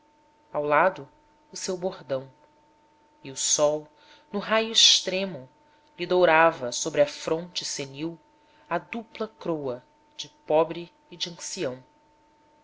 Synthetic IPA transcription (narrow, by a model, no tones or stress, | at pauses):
awlad̪ʊː | sewbohd̪ɐ̃w̃ | iʊsɔw | nʊɦajʊiʃt̪ɾẽmʊ | lid̪owɾavɐsobɾɪɐfɾõnt͡ʃɪseniw | ɐd̪uplɐkɾowɐ | d͡ʒɪpɔbɾɪː | d͡ʒiɐ̃siɐ̃w̃